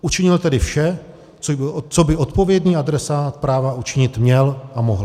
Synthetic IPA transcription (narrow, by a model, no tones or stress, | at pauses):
ut͡ʃɪɲɪlt̪ɛdɪfʃɛ | t͡st͡sobɪʔot̪po̞vjɛdɲiːad̪ɾɛsaːt̪pɾaːvaʔut͡ʃɪɲɪt̪mɲɛlʔamoɦla